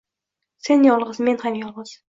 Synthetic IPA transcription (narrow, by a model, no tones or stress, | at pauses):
se̞njɒlˠʁɨzme̞nhamjɒlˠʁɨz̥